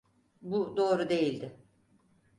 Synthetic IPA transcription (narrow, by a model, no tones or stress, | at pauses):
bud̪o̞ːɾud̪e̞jilʲd̪ɪ